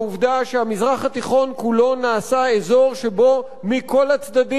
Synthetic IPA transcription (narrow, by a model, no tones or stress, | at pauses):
uvdaʃeamizʁaχat̪iχo̞nkulo̞naːsaezo̞ʁʃe̞bo̞ | miko̞lat͡sd̪adi